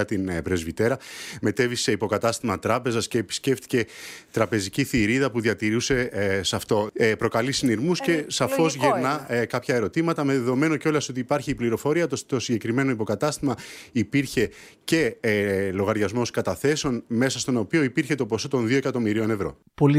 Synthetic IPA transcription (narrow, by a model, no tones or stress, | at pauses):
ɐt̪inpɾe̞zvit̪e̞ɾɐme̞t̪e̞vise̞ipo̞kɐt̪ɐst̪imɐt̪ɾɐpe̞zɐsce̞ːpi̥sce̞ft̪i̥ce̞t̪ɾɐpe̞ziciθiɾiðɐpuðiɐt̪iɾuse̞sɐft̪o̞pɾo̞kɐlisiniɾmusce̞sɐfo̞zʝeɾnɐkɐpçɐe̞ɾo̞t̪imɐt̪ɐme̞ðe̞ðo̞me̞no̞ceo̞lɐso̞t̪iːpɐɾçiːpliɾo̞fo̞ɾiɐt̪ust̪o̞siɲɟe̞kɾime̞no̞ipo̞kɐt̪ɐst̪imɐipiɾçe̞ | ce̞lo̞ɣɐɾʝɐzmo̞skɐt̪ɐθe̞seo̞nme̞sɐst̪o̞no̞pio̞ipiɾçe̞t̪opo̞so̞t̪o̞nðio̞e̞kɐt̪o̞miɾio̞ne̞vɾo̞̰ | pol